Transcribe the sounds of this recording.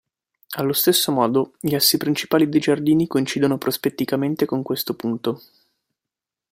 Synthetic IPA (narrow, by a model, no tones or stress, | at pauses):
alːost̪esːomɔːd̪oʎiasːipɾint͡ʃi̥paːlid̪ejd͡ʒard̪iːnikoint͡ʃiːd̪onopɾʔospet̪ːikament̪ekoŋkwest̪opunt̪o